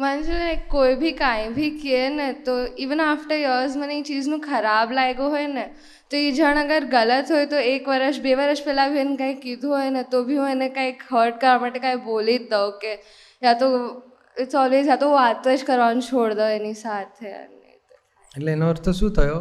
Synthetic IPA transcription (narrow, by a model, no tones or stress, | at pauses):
m̤and͡ʒenakojbʱikajbʱikienət̪oiʋənafʈəɾjəːzm̤əneit͡ʃiːd͡znũkʰəɾablajɡoɦojnə | t̪oid͡ʒʱəɳ̃əɡəɾɡələt̪ɦojt̪oekʋəɾəʃbeʋəɾəʂpɛlabʱienkaikid̪ʱoɦojnət̪obʱimənekaikɦəːɾʈ̚kəɾʋamaʈːekaibolit̪̚d̪aoke | ɦjat̪o | t͡sɔlʋezjat̪oʋat̪ʋəd͡ʒkəɾʋant͡ʃʰoɽd̪əenisat̪ʰeə̰nːḛt̪e | elenəʋəɾt̪osũt̪ʰəjo